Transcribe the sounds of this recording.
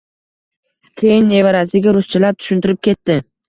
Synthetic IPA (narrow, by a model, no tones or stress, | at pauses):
kʲʰe̞jɪnːe̞vaɾasɪɡʲaɾʊst͡ʃʰɪlaɾ̚t̪ʰʊ̥ʃʊnt̪ʰɪɾɪp̚kʲʰe̞t̪ːɪ